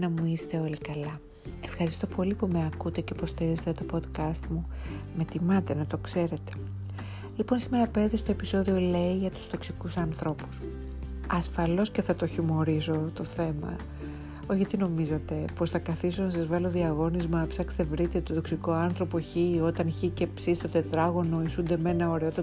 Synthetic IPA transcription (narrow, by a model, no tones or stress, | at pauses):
nɐmuist̪e̞o̞likɐlɐ | e̞fxɐɾist̪o̞pʰo̞lipumeɐkut̪e̞ce̞po̞st̪iɾize̞t̪et̪o̞po̞d̪kɐst̪mume̞t̪imɐt̪e̞nɐt̪o̞kse̞ɾe̞t̪e̞̥ | lipo̞nsime̞ɾɐpe̞t̪est̪o̞episo̞ðio̞le̞iʝɐt̪u̥z̥t̪o̞ksikusɐnθɾo̞pu̥s | ɐsfɐlo̞sce̞θɐt̪oçimo̞ɾiso̞t̪oθe̞mɐ̰ | oçɐt̪ino̞mizet̪e̞po̞sθɐkɐθiso̞nɐsɐzvɐlo̞ðiɐɣo̞nizmɐpsɐkse̥t̪evɾit̪e̞t̪oðo̞ksiko̞ɐnθɾo̞po̞çio̞t̪ɐnçice̞psist̪ot̪e̞t̪ɾɐɣo̞no̞isund̪e̞me̞nɐo̞ɾeot̪ɐ